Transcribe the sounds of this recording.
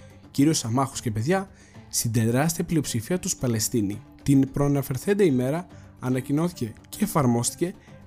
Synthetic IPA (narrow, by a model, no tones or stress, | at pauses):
ciɾio̞sɐmɐxu̥sce̞pe̞ðʝɐ | st̪ind̪e̞ɾɐst̪iɐplio̞psifiɐt̪uspɐle̞st̪ini | t̪inpɾoɐnɐfe̞ɾθe̞nd̪eime̞ɾɐː | nɐcino̞θice̞ceːfɐɾmo̞st̪i̥ce̞